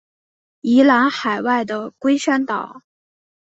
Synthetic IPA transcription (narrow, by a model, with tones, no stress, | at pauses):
i˧˥la˧˥nxa˨˩ɪwa˥˩ɪd̪ə˩kwe˥ɪʂa˥nt̪ɑ˨˩˦ʊ